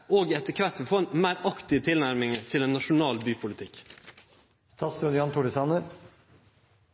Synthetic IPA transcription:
oːɡiːɛt̪əkʰʋæt̪əfɔnmæɪɾɑkt̪ɪət̪ʰɪlnæɾmɪŋət̪ʰɪlɛnːɑʂʊnɑːlbyːpʰʊlɪt̪ʰɪk | st̪ʰɑːsd̪ʉnjɑːnt̪ʰʊɽɪsɑːnəɾ

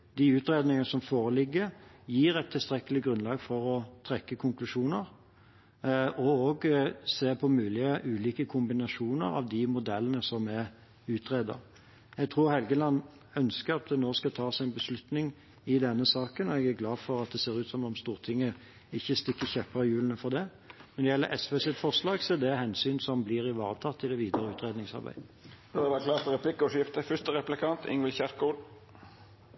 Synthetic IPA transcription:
d̪ɪʉːt̪ɾeːd̪nɪŋənəsɔmfoːɾəlɪɡːəɾjiːɾɛt̪ʰːɪlst̪ɾɛkːəlɪɡɾʉnlɑːɡfɔɾɔt̪ʰɾɛkːəkʰʊŋklʉʂuːnəɾ | ɔoːɡseːpʰɔmʉːlɪəʔʉːliːkəkʰʊmbɪnɑʂuːnə̰ɾɑ̰ʋd̪ɪmʊd̪ɛlːənəsɔmɛ | ʉːt̪ʰʁeːd̪ə̰ɾ | jɛɡ̚t̪ʰʁuːʁhɛlɡəlɑnː | œnskəɾɑt̪̚d̪ɛnoːskɑt̪ʰɑːsæɪnbəslʉt̪nɪŋ | ɪd̪ɛnːəsɑːkənɔɛɡæɾɡlɑːdfɔʁɑt̪̚d̪ɛseːʁʉːt̪sɔmɔmst̪uːʁt̪ʰɪŋːə | ɪçːəst̪ɪkːəçɛpːəɾəjʉːlənəfɔʁd̪ɛ | mɛnd̪ɛjɛlːə̰ʔɛsʋeːsɪt̪fɔʁʂlɑːɡseːd̪ɛhɛnsyːnsɔmblɪɾɪʋɑ̰ːʁət̪ʰɑt̪ʰːɪld̪ɛʋiːd̪əɾəʉːt̪ʁeːd̪nɪŋsɑ̰ɾbæ̰ɪb̥ɛʋækʰlɑːt̪ɾɛpʰlɪkːɔʂɪft̪əfʏʂt̪əɾɛplɪkʰɑnt̪ɪ̰ŋʋɪlçæɾkuːl

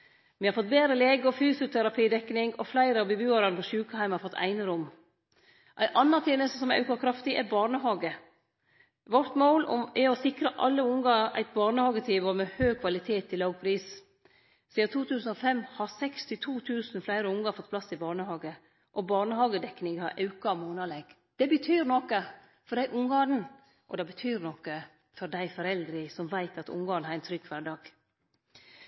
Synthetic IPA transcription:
mihɑɾfɔt̪̚beːd̪ɾəleːɡəɔfyːsɪʊt̪ʰɛɾɑpʰiːd̪ɛkːnɪŋɔflæɪɾəɑʋbəbʉːɑɾɑnpʰɔʃʉːkəhæɪmhɑɾfɔt̪ʰːæ̰ɪnəɾʊmː | ʔæɪʔɑnːɑt̪ʰeːnəst̪sɔmæʉ̰kɑlkʰɾɑft̪ɪʔɛɾbɑːɾɳəhɑːɡə | ʋɔɾt̪moːlɔ̰ɛɔsɪkɾəʔɑ̰lːəʊŋɡɑæ̰ɪt̪̚bɑːɳəhɑːɡət̪ʰiːʋəmɛhøːkʰʋɑlɪt̪ʰeːt̪ʰːɪlɑːɡ̚pʰɾiːs | siːd̪ɑt̪ʰuːt̪ʰʉːsn̩ɔfɛmːhɑɾsɛkst̪ɪt̪ʰuːt̪ʰʉːsn̩flæɪɾəʊŋɑɾfɔt̪̚ːpʰlɑsɪbɑːɳəhɑːɡə | ʔɔbɑːɳəhɑːɡəd̪ɛknɪŋhɑɾʔɑʉkɑmoːnɑlɛɡ̥ | d̪̥ɛbət̪ʰyːɾnɔkːə | fɔɾɖæɪʔʊŋɡɑːn̩ | ʔɔ̰d̪ɛbət̪ʰyːɾnɔkːə | fɔɾd̪æɪfɔɾɛld̪ɾɪsɔmʋæɪt̪ɑt̪ʊ̰ŋɡɑːnhɑɾɛɪnt̪ʰɾʏkːʋæɖɑːɡ̥

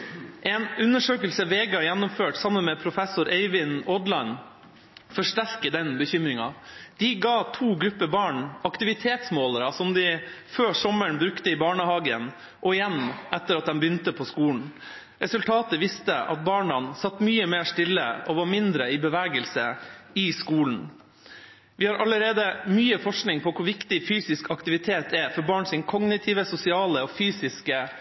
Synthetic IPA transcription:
ʔɛnʉnːəʂøːkəlsəʋeːɡɑjɛnːʊmføːʈsɑmːənmɛpʰɾʊfɛsʊɾʔɛɪʋɪnɔd̪lɑn | fɔʂʈæɾkəd̪ɛnbəçʏmɾɪŋɑ̰d̪̥ɪɡɑːt̪ʰuːɡɾʉpːəbɑːɳɑkt̪ɪʋɪt̪ʰeːt̪smoːləɾɑsɔmd̪ɪføːsɔmːəɳbɾʉkt̪əɪbɑːɳəhɑːɡən | ʔɔɪjɛnʔɛt̪ːəɾɑt̪̚d̪ɛmbʏnt̪əpʰɔskuːln̩ | ɾɛsʉlt̪ʰɑːt̪əʋɪst̪əʔɑ̰t̪̚bɑːɳɑnsɑt̪ːmyːəmeːʂt̪ɪlːə̰ɔʋɑɾmɪnd̪ɾəɪbəʋæːɡəlsəɪskuːln̩ | ʋɪhɑːɾʔɑləɾeːd̪əmyːəfɔʂknɪŋpʰɔkʰʊɾʋɪkt̪ɪfyːsɪskɑkt̪ɪʋɪt̪ʰeːt̪ʰɛfɔɾbɑːɳsɪnkʰɔɡnɪt̪ʰɪːʋəsʊsɪɑːləɔfyːsɪskə

